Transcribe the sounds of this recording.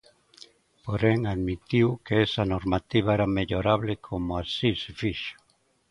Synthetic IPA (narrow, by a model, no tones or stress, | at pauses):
poɾeŋaðmit̪iwkeɛsanoɾmat̪iβ̞aɛɾameʎoɾaβlekʰomoasisefiʃo̥